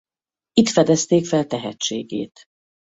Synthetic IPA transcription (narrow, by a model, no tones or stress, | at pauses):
it̪fɛd̪ɛst̪eːkfɛlt̪ɛɦɛt͡ʃːḛːɡḛːt̪